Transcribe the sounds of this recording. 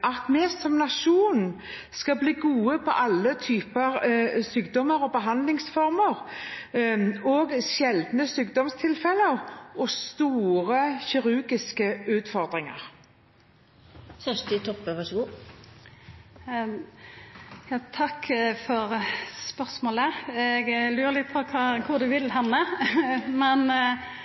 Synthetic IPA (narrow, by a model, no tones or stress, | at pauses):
ʔɑt̪meːsɔmnɑʂuːn | skɑbliːɡuːəpʰɔ̰ʔɑlːət̪ʰyːpəɾsyːk̚d̪ɔməɾɔbəɦɑnd̪lɪŋsfɔʁməʁ | oːɡʃɛld̪nəsyːk̚d̪ɔmst̪ʰɪlfɛlːəʁɔst̪uːʁəçɪɾʉɡɪskəʉːt̪fɔʁd̪ʁɪŋə̰ʁ | fœʂʈ̪ɪt̪ʰɔpːəʋɑʂəɡuː | jɑːt̪ʰɑkfɔʁspœʁsmoːləɛɡlyːɾəlɪt̪̚pʰɔkʰɑːkʰʊʁd̪ʉʋɪlɦɑnːə | mɛn